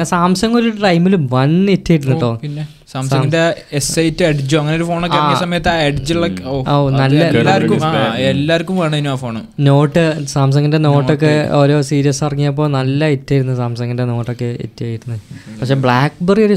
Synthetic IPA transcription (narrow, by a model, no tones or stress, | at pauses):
esaːmsɐŋːoɾuʈɐjmːilumʋɐnetːaːjɾunːiʈːoːie | saːmsɐːɡnde | esejitːɨeɖd͡ʑuɐŋːɐneoɾufo̞ːɳokːeisɐmɐjɐt̪ːɨaeɖd͡ʑiɭokːooːnɐlːɐːaːɐɾkːuelːaːɐɾkːumʋaːɳɨinuaːfoːɳɨno̞ːʈːɨsaːms̬ɐŋːɐnde̞no̞ːʈːo̞k̬ːe̞o̞ːɾo̞ːsiːɾijɐsɐrɐŋːijɐp̬ːo̞ːnɐlːɐetːaːjiɾunːɐsaːmsɐŋːɐnde̞no̞ːʈːokːe̞ḛtːujaːjiɾunːɐðɨpɐkʂe̞ːbɭaːkbɐrio̞ɾu